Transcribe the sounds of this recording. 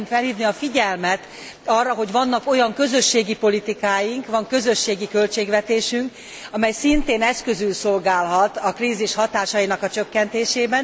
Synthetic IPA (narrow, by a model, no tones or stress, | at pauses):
mfɛlhiːvniɒfiɟɛlmɛt̪ | ɒːrːɒɦo̞ɟʋɒnːɒko̞jɒŋkø̞zø̞ʃːeːɡipo̞lit̪ikaːjiŋkʋɒŋkø̞zø̞ʃːeːɡikø̞lt͡ʃeːɡʋɛt̪eːʃyŋk | ɒmɛjsint̪eːnɛskø̞zylso̞lɡaːlɦɒt̪ɒkriːziʃhɒt̪aːʃɒjinɒkɒt͡ʃøkːɛnt̪eːʃeːbɛn